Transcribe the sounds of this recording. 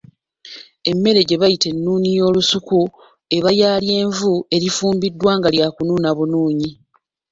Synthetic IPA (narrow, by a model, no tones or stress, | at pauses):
e̞mːe̞ɾe̞ɟe̞βajite̞nːuːɲijo̞ːlusuku | e̞βajaːlje̞ːɱvue̞ɾifuːmbidːwaːŋɡaljaːkunuːnaβunuːɲi